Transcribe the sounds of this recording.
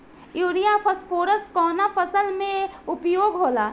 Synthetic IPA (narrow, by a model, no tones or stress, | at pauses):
juːɽijafəsfoːɾəsʈkɔːnafʰəsəlmẽʊpjoːɡɦoːlaː